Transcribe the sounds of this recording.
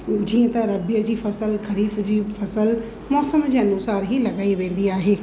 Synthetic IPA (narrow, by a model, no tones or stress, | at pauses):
d͡ʑiːə̃t̪ɐɾɐbijəd͡ʑiːfɐsəlkɐɾiːfd͡ʑiːfɐsəl | mɔːsəmd͡ʑiːɐnuːsaːɾɦilɐɠaːiʋẽːn̆d̪iaːɦeː